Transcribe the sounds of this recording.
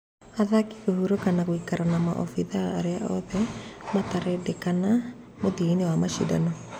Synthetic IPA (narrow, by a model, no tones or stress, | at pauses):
aðaki̥kohuɾokanaɣwikaɾanama̰ʔɔ̰fiðaːɾeaʔɔðɛmataɾɛdɛkana | modiinewamaʃḭda̰nɔ